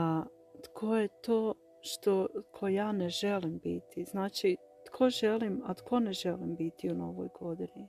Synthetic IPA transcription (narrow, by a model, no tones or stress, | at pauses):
a | t̪kʰo̞jet̪oː | ʃt̪o̞t̪kʰojaːneʒelimbḭt̪ʰiz̥naːt͡ʃi | t̪kʰo̞ʒe̞limat̪kʰo̞neʒelimbit̪ʰiuno̞ʋo̰jɡo̞d̪ini